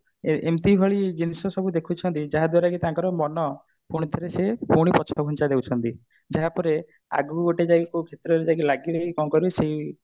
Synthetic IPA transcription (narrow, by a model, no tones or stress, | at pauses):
eemt̪ibʱɔɭid͡ʒinisɔsɔbud̪ekʰut͡ʃʰɔnt̪id͡ʒaɦad̪waɾakit̪ãŋkɔɾɔmɔnɔ | puɽ̃it̪ʰɔɾesepuɽ̃ipɔt͡ʃʰɔɡʱunt͡ʃad̪ewt͡ʃʰɔnt̪i | d͡ʒaɦapɔɾe | a̰ɡuɡoʈed͡ʒaɡikukʰet̪ɾɔɾed͡ʒaɡilaɡiɾekikɔŋkɔɾeseɦi